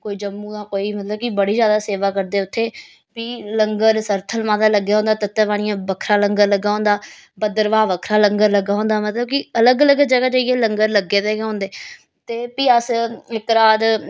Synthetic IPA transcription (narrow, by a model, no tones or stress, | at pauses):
koːiːd͡ʒəmːũːd̪ãːkoːiːmət̪ləb̚kibəɽiːzjaːd̪aːseːʋaːkəɾd̪eːʊt̪ʰːeː | piːləŋɡəɾsəɾt̪ʰəlmãːd̪aːləɡːaːɦõːnd̪aːt̪ət̪ːeːʋaːɽ̃ɪ̃jãːbəkʰɾãːləŋɡəɾləɡːaːɦõːnd̪aː | bəd̪əɾʋaːʋəkʰɾaːləŋɡəɾləɡaːɦõːnd̪aːmət̪ləb̚kɪələɡələɡd͡ʒəɡaːd͡ʒaiːeːləŋɡəɾləɡːeːd̪eːɡɦõːnd̪eː | t̪eːpiːəsɪkɾaːd̪